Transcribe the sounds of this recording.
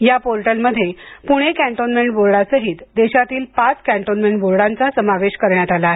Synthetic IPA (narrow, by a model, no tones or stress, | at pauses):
japoɾʈəlməd̪ʱːjepuɽ̃ekæ̃ɳʈonmeɳʈboɾɽasəɦiːt̪d̪eɕat̪iːlpat͡skæ̃ɳʈonmeɳʈboɾɽãnt͡sasəmaʋeɕkəɾɳjat̪alaɦe